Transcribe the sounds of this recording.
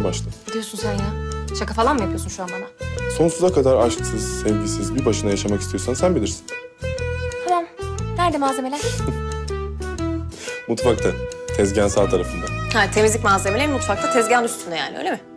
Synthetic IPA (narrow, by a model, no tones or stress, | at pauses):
baʃlˠɯid̪ijo̞sunzajnaʃakafalˠanmijapʰijosunʃuanamaso̞nsuzakad̪aɾaʃt̪ʰɯz̥sɛvɟisizbibaʃɯnajaʃamakist̪ʰijo̞sansænbilʲiɾsi̥n | falannæɾd̪ɛmaːzemelʲæɾ̥ | mut̪fak̚t̪ʰat̪ʰɛzɟænsalˠt̪ʰaɾafɯnd̪ahat̪ʰemizlʲicmazemelʲeɾmut̪fak̚t̪ʰat̪ʰɛzɟænust̪ʰund̪ajaːnɪʔø̰jlʲemɪ